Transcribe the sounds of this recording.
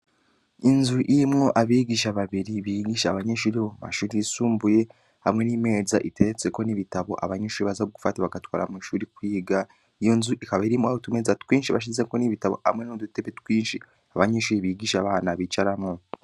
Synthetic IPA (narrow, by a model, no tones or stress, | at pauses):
inzuʔimŋoʔaβiːɡiʃaβaβiɾiβiɡiːʃaβaɲeʃuːɾiβoma̰ʃuːɾiisuːmbuje̞ | hamŋe̞nime̞ːza̰ʔite̞ɾet͡se̞ko̞niβitaβo̞̰ʔa̰βaɲeʃuːɾiβazaβuɡu̥fataβaɡatwa̰ːɾa̰miʃuːɾikwiːɡa | ijo̞nzuʔikaβaiɾimuwaotume̞zatwiːnʃiβaʃ̬izeko̞niβitaβo̞̰ha̰mŋe̞nodute̞βetwiːnʃi | aβaɲeʃuːɾiβiːɡiʃaβaːnaβit͡ʃaɾamŋo